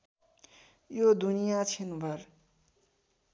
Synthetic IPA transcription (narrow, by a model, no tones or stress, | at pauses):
jod̪unijat͡sʰinubʱʌɾ